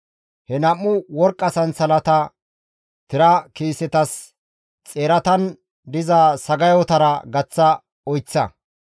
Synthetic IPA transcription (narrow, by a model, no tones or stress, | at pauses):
hɛnɐmːʊwɔɾkʼːɐsɐnsɐlɐt̪ɐ | t̪ɪɾɐkiːsɛt̪ɐs | t͡sʼeːɾɐt̪ɐn | d̪ɪzasɐɡɐjɔt̪ɐɾɐɡɐt͡sːɐ | ɔjt͡sːɐ̰